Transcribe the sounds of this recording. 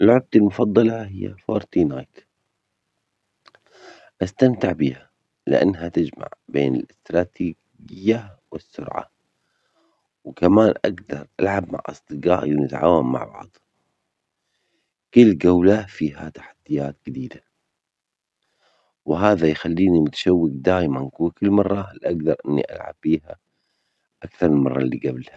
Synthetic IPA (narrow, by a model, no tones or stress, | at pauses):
ɪlʕʊb̚t̪almʊfɑd̪ˤːɑlɑhɪjːa̰foːɾˤt̪inaːjt̪ | ʔast̪amt̪ɪʕbiːha | lɪʔa̰nːɦat̪ɪd͡ʒma̰ʕbeːnɪ̰lɪst̪ɾˤɑːt̪iːɡ | ɪjːawɪsːʊ̰ɾʕa̰ | wkamaːnʔaɡd̪ɑɾˤʔalʕab̚ma̰ʕʔɑ̰sˤd̪ɨɡɑ̰ːʔɪlnɪt̪ʕa̰ːwamːa̰ʕbɑ̰ʕd̪ˤ | kʊlːɡawlafiːɦat̪ḁħad̪ːɪjaːt̪ɡɪd̪iːd̪a | wɪɦaːðajxalːiːnimʊt̪ḁʃawːɪkd̪aːjmankukɪlːmɑrˤːɑlʔaɡd̪ɑɾˤʔɪnːḭʔa̰lʕa̰b̥ːiːha | ʔakθɑɾˤmɪlmɑrˤːɑlːiːɡablha